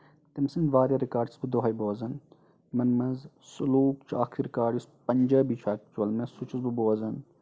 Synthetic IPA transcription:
t̪imsind̪ʋaːɾɐɾikaːɾɖisbɨd̪oɦɐjboːzɐn | mɐnmɐz | sʊluːkt͡ʃa̰ːkʰiɾɪkaːɾɖispɐɲd͡ʒɐbiːt͡ʃʰaːkt͡ʃwɐlmɐsut͡ʃʰusbuboːzɐn

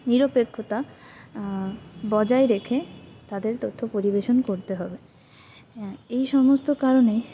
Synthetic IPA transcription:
niɾopekʰːot̪a | bɔd͡ʑaeɾekʰet̪ad̪eɾt̪ot̪ʰːopoɾibeʃonkoɾt̪eɦɔbe | ejʃɔmost̪okaɾone

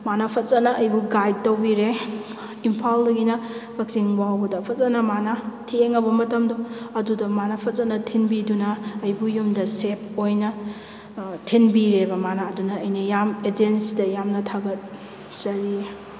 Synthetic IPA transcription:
manapʰɐt̚t͡ʃɐnɐʔɐjbuɡajd̚tɐwbiɾe | impʰaldɐɡinɐkʰɐk̚siŋbaɦawbɐdɐpʰɐt̚t͡ʃɐnɐmanatʰeŋɐbɐmɐtɐmdoɐdudɐmanapʰɐt̚t͡ʃɐnɐtʰinbidunɐːjbujumdɐsepojnɐ | tʰinbiɾebɐmanaːdunɐːjnɐjamed͡ʒensidɐjamnɐtʰaɡɐt̚ | sɐɾie

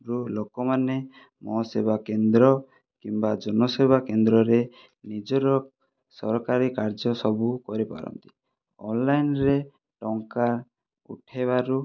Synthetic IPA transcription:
ɾulokɔmane | mɔsebakend̪ɾɔ | kimbad͡ʒɔnɔsebʱakend̪ɾɔɾe | nid͡ʒɔɾɔ | sɔɾɔkaɾikaɾd͡ʒɔsɔbukɔɾipa̰ɾɔ̰nt̪i̥ | ɔ̰nlajnɾe | ʈɔŋka | ṵʈʰeβaɾu

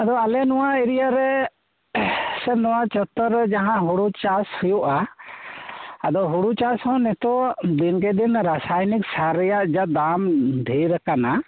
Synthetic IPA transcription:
ad̪ɔalɛnuwaiɾijaɾɛ | sɛnɔwat͡ʃɔt̪ːɔɾːɛd͡ʒaɦãʔɦuɽut͡ʃashujuʔa | ad̪ɔɦuɽut͡ʃashɔ̃nɛt̪ɔd̪ink̬ɛd̪inɾasajnik̚saɾɛjaʔd͡ʒaʔd̪amd̪ʱijɾakana

